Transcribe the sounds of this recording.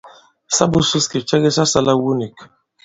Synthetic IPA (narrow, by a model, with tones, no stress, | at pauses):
sa˦bu˦su˦ski˨t͡ʃɛ˦ɡe˦sa˦sa˦la˦wu˦ni˨k